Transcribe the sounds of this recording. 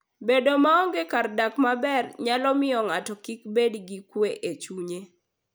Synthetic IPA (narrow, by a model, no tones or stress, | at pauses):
bedomaɔŋɡekardakmabɛrɲalɔmɪɔŋatɔkikbedɡikweʔet͡ʃuɲe